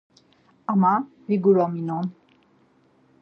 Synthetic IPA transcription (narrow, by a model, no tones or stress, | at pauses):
ama | ɾiɡuɹɔminɔm